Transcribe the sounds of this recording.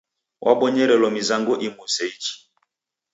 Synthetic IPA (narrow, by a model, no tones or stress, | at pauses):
wʔa̰ɓɔɲɛɾɛlɔmizaŋɡɔʔimusɛit͡ʃi̥